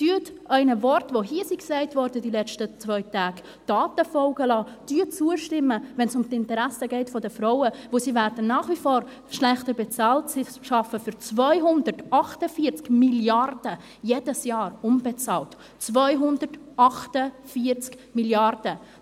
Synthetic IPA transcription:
d̥yətɛɪnəvɔrtvoɦiəsiksɛɪtvɔɾdədilɛt͡ʃtət͡sʋœʏtaːɡ | d̥ɑːtəfɔlɡəlɑː | d̥yːt͡suəʃtɪmːəvɛnsʊmtɪntəɾæsəɡɛɪtfɔdəfɾaʊəvosivæːɾdənːɑːχʋifɔːɾ | ʃlɛχtəɾbɛt͡sɑːltsi | ʃɑfəfʏɾt͡svœʏɦʊndərtʔɑχtəfiːəɾt͡skmiljɑrd̥ə | jedəsjɑːɾʊmbɛt͡sɑ̰ːlt | t͡svœʏɦʊndəɾt | ɑχtəfiəɾt͡skmiljɑrd̥ə

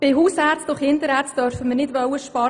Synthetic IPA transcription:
b̥ɪɦuːshæɾt͡sdʊχhɪntəɾæːrt͡sd̥œɾfəmərnɪdʋœwəʃpɑ

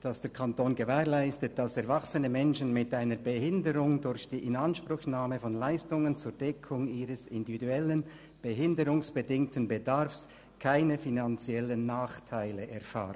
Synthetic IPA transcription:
d̥ɑsd̥eːɾkʰantoːnɡəvɛːʁlaɪstət̚d̥asɛɐvaksənəmɛnʃən̩mɪtaɪnəbəhɪndəɾʊŋdʊɾçd̥iːʔɪnanʃpr̥ʊçnaːməfɔnlaɪstʊŋənt͡suːɾd̥ɛkʰʊŋiːʁəsɪndividuɛlən | b̥əɦɪndəɾʊŋsb̥ədɪŋtənbədaɾfs | kʰaɪnəfinant͡siɛlənːaːχtʰaɪləʔɛɐfa̰ːʁən

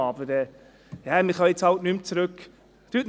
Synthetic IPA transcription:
ɑbəɾɛː | jamɪχɑjet͡shɑltnymt͡sɾʉk | tyːt

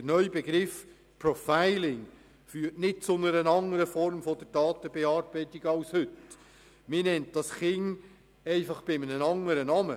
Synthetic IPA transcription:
ənœʏbeɡɾɪf | pɾɔfaɪlɪŋ | fyːɾtnɪt̚t͡sʊnəɾənɑŋəɾəfɔɾmfodəɾd̥ɑːt̪əbeɑːɾb̥ɛɪtɪɡɑlshʏt | mɪnɛnt̚d̥ɑsχɪŋ | ɛɪfɑχb̥ɪmənənɑŋəɾənɑːmə

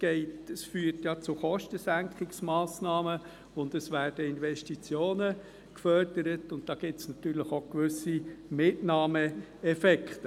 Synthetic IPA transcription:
ɡ̥ɛɪtəsfyːrtjɑt͡sʊχɔʃtəsæŋkχɪksmɑːsnɑːmə | ʊndəsʋæːrd̥əɪnvɛʃtit͡sjoːnə | kfœrd̥əɾətʊntd̥ɑːɡ̥ɪtsnɑtyːɾləχokʋʏsimɪtnɑːmə | ɛfɛkχt

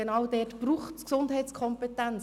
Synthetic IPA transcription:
enɑwd̥ɛtb̥ɾuːχtksʊnd̥ɦɛɪtt͡skʰɔmpet̪æn

